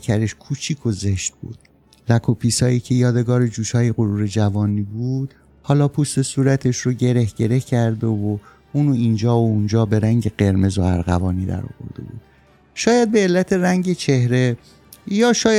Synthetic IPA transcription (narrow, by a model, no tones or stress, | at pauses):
kʰæɾe̞ʃkʰuːt͡ʃʰiːkʰoze̞ʃt̪̚bṵːd̪̥ | lækʰopʰiːsɒːjiːcʰe̞jɒːd̪e̞ɡɒːɾed͡ʒuːʃɒːjeɣoɾuːɾe̞d͡ʒævɒːniːbuːd̪̥ | hɒːlɒːpʰust̪e̞suːɾæt̪ʰe̞ʃɾoɟe̞ɾe̞hɟ̥e̞ɾe̞hcʰæɾd̪e̞vo | uːnoind͡ʒɒːound͡ʒɒːbe̞ɾæŋɟe̞ɢe̞ɾme̞zoæ̰ɾɣævɒːniːd̪æ̰ɾɒ̰ːvo̞̰ɾd̪̥e̞̰bṵːd̪̥ | ʃɒːjæd̪̚be̞ːlːæt̪ʰe̞ɾæŋɟe̞t͡ʃʰe̞hɾe̞ | jɒːʃɒːj